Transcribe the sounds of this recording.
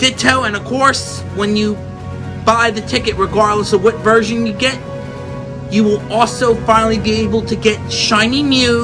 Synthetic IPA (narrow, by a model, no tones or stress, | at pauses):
d̥ɪtʰoʊɨ̃nʌv̥kʰɔɹs | wə̃njɨ | baɪðɨtʰɪkɨt̚ɹɨɡɑɹdˡləsəwʌtvɜ˞ʒɨ̃njɨɡɛt͡ʃ̚ | jɨwɪlˠɔlˠsoʊfãɪ̃nl̩ˠibieɪbl̩ˠtʰɨɡɛt̚ʃãɪ̃nimjʉ